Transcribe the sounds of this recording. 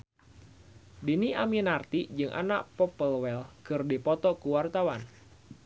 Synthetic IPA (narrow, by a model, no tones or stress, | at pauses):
diniʔaminart̪id͡ʒɨŋʔa̰naʔpɔpəlwɛlkɨrdipɔt̪ɔkuwart̪awan